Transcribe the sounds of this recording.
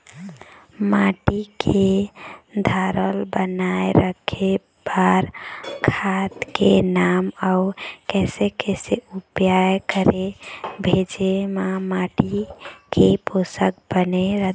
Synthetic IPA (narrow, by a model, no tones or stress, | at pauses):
maʈikʰe | d̪ʱaɾəlbənajɾəkʰe | b̥aɾkʰat̪kenamaukɛsekɛseupjajkəɾebʱed͡ʒemamaʈikʰeposək̚bəneɾə